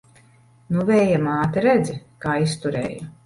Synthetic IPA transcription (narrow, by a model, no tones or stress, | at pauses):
nuvɛːjamaːt̪iɾɛd̪zikaːist̪uɾɛ̰ːja